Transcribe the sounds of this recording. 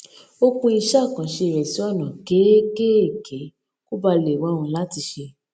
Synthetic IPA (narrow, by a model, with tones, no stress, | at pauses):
o˦kũ˦i˧ʃa˦˨kã˨˦ʃe˧˨ɾɛ˨si˨˦ɔ˦˨nã˨ɡe˨˦ɡe˦e˦˨ke˨˦ | ku˦ba˧le˨wa˨˦˧wũ˧la˦ti˧ʃe˧